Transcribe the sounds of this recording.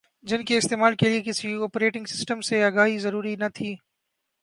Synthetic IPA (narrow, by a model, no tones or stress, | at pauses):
d͡ʒɪnkeɪst̪eːmaːlkeliekɪsiɔːpɾeːʈɪ̃ŋɡsɪ̥sʈəmseaːɡaːɦizɐɾuːɾinɐt̪ʰiː